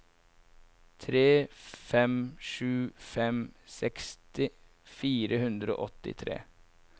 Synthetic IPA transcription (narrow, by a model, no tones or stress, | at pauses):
t̪ʰɾeːfɛmʂʉːfɛmsɛkst̪ɪ | fiːɾəhʉnd̪ɾəo̰ːʔɔt̪ɪ̰t̪ʰɾḛː